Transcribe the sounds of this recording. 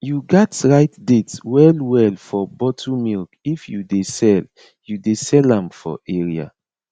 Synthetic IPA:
juɡatɹaɪtdetwɛlwɛlfɔbɔtʰumilkifjudesɛl | judesɛlãmfɔ̰ʔɛɹia̰

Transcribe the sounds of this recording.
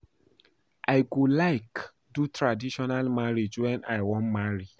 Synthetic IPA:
ʔaɪɡulaɪk | dutʰɹadiʃɔnalmaɹid͡ʒwɛ̃naɪwɔ̃nmaɹi

